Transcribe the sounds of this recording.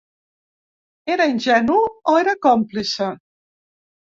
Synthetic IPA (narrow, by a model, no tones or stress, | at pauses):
eɾainʲʒɛnuoeɾəkɔmplisə